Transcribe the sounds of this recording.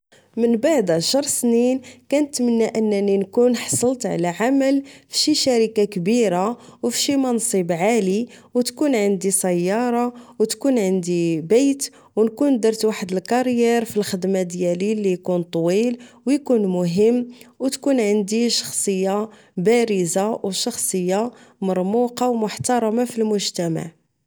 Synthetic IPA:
mənbaʕd̪aʃəɾˤsninkænət̪ːmənːæʔənːæninkunħɑsˤəlt̪ʕ̰læʕaməlfi̥ʃiʃæɾəkakbiɾawfiʃimænsˤibʕaliwt̪kunʕənd̪isæjːɑɾˤɑwt̪kunʕənd̪ibæjt̪ | wnkund̪ɑɾˤt̪waħəd̪əlkɑɾjɛɾfilxəd̪mad̪jælilːijkunt̪ˤwilwjkunmʊɦəmːwt̪kunʕənd̪iʃɑ̥xsˤəjːa | bæɾəzawʃɑxsˤəjːamɑɾˤmuqɑwmʊħt̪ɑɾˤɑmafilmʊʒt̪æma̰ʕ

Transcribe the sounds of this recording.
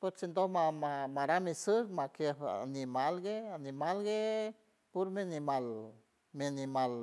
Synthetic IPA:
peɾsind̪omamamaɾamisɨɾmakeanimalɡeanimalɡe | puɾmianimal | mianimal

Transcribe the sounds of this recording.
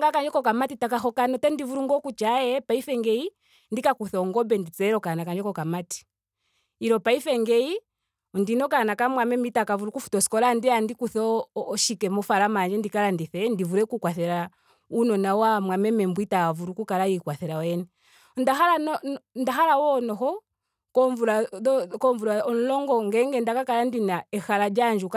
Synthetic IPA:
ŋɡakand͡ʒɔkɔkamatitakaxɔkanɔtɛndivuɾuŋɡɔkut͡ʃajɛpaifɛŋɡɛi | ndikakuθɛɔŋɡɔbɛndit͡sɛɾɔkanakaɲd͡ʒɛkɔkamati̥ | iɾɔpaifɛŋɡɛi | ɔndinɔkanakamwamɛmitakavuɾukufu̥tɔsi̥kɔlandiandikuθʃikɛmɔfaɾamaɲd͡ʒɛndikalandiθɛndivuɾɛkukwaθɛɾa | unɔnawamwamɛmɛmbwitaavuɾukukalaikwaθɛɾawɛnɛ | ndaɦalanɔndaɦalawɔnɔhɔ | kɔɱvuɾaɔkɔɱvuɾaɔnlɔŋɡɔŋɡɛŋɡɛndakakalandinaɛxalad͡ʒand͡ʒuk

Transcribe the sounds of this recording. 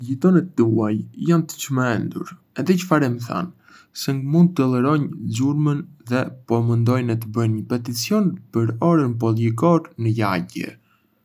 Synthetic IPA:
jət̪ɔnɛt̪ːəuajjant̪ə̥t͡ʃəmɛnd̪uɾ | ɛðɛt͡ʃə̥faɾɛməθa̰n | sɛŋɡmund̪̚ɛlˠɛɾɔɲd͡ʑuɾmənðɛpɔmənd̪ɔjnɛt̪əbənɲəpɛt̪it͡siɔnpəɾɔɾənp̬ɔljɛɡɔɾnəjaɟɛ̰

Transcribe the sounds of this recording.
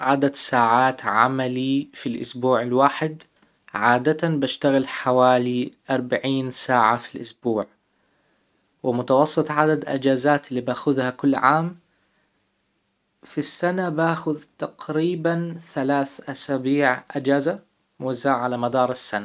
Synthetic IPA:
ʕad̪ad̪saːʕaːt̪ʕa̰malifilʔʊ̰sbuːʕɪlwaːħɪd̪ | ʕaːd̪at̪anbaʃt̪aɣɪlħawaːliʔɑɾˤbaʕiːnsaːʕafilʔʊsbuːʕ | wɪmʊt̪ɑwɑsˤːɨt̪ˤʕad̪ad̪ʔɪ̰d͡ʒaːzaːt̪ɪlːiːbaːxʊðhakʊlːʕaːm | fisːanabaːxʊðt̪aqɾiːbanθalaːθʔasabiːʕʔɪd͡ʒaːza | mʊwazːaːʕʕalamad̪ɑːɾˤɪsːana

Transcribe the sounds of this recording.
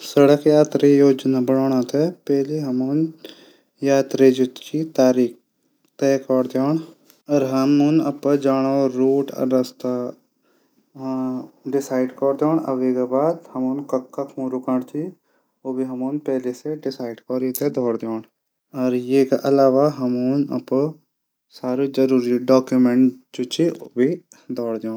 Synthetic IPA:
sɐɽəkjaːt̪ɾejoːd͡ʒnabɐɽoːɽ̃at̪epɛɦleɦɐmun | jaːt̪ɾed͡ʒʊt̪kit̪aːɾiːk | t̪eːkɔːɾd̪joːɳ | ɔːɾɦɐmʊnɐpəd͡ʒaːɽ̃oɾuːʈɐ̰ɖɐst̪a | ɖɪsaːɪɖkɔːɾd̪joːɳɐ̰ʋekebaːd̪hɐmʊnkɐkːakʰũːɾukaɽt͡ʃʰi | oːbʱiɦɐmunpɛːleseɖɪsaːɪɖkɔːɾit̪ed̪ʱɔːɽd̪joːɳ | ɔɾjeːkaʔɐlaːʋaɦɐmunɐ̰p | saːɾid͡ʒəɾuːɾiɖaːkjumeɳʈt͡ʃut͡ʃʰiobʱi | d̪ʱɔːɽd̪joːɳ

